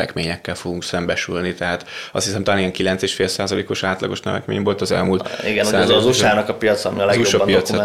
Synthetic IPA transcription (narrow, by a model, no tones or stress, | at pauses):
ɛ̰kmeːɲɛkːɛlfo̞ɡuŋksɛmbɛʃylnit̪ɛɦaːt̪ɒst̪hisɛmt̪aːnijɛŋkilɛnt̪seːʃfeːlsaːzɒlḛːko̞ʃaːt̪lɒ̰ɡo̞ʃnɛ̰vɛ̰kmḛːɲbo̞lt̪ɒzɛ̰lmult̪iɡɛnusaːzzuʃaːnɒkɒpijɒt̪sɒːmiɒlɛuoʃɒbnpijɒtsɛ